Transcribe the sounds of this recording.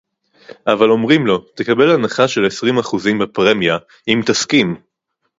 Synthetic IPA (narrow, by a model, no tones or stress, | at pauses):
ʔavalo̞mʁimlo̞t̪ekabe̞lanaχaʃe̞lesʁimaχuzimbepʁemja | imt̪askim